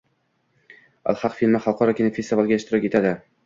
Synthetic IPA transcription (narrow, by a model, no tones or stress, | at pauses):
a̰lˠhɑqfilmɪχalˠqʰɒɾɒkʲʰenɪfest̪ivalˠɡʲaeʃt̪ɪɾɒkʲet̪ʰad̪ɪ